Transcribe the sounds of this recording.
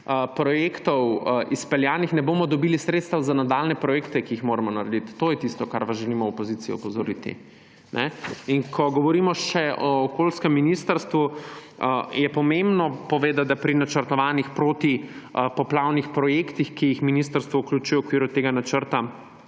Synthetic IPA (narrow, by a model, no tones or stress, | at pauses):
əpɾɔjekt̪ɔwʔispɛljaːnixnɛboːmɔd̪ɔbilisɾet̪st̪awzanad̪alnɛpɾɔjeːkt̪ɛkiixmoːɾamɔnaɾɛd̪it̪ːoːjɛt̪ist̪ɔkaɾʋasʒɛlimɔɔpɔzit̪sijɛ̰ɔpɔzɔɾit̪ḭ | nʔɛ̰iŋkʰɔɡɔʋɔɾimɔʃɛʔɔːkolskɛmːinist̪əɾst̪ʋu | jɛpɔmẽmbnɔpɔʋeːd̪at̪̚d̪apɾinat͡ʃəɾt̪ɔʋaːnixpɾoːt̪i | pɔplawnixpɾɔjeːkt̪ixkijixminist̪əɾst̪ʋɔuklʲut͡ʃuːjɛukʋiːɾut̪eːɡanat͡ʃəɾt̪a